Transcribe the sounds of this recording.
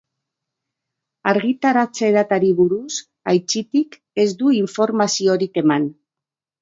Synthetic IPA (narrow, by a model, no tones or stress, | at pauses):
aɾɣit̪aɾat͡se̞ðat̪aɾiβuɾus | ajt͡ʃit̪ik | e̞zd̪uiɱfo̞ɾmasio̞ɾike̞man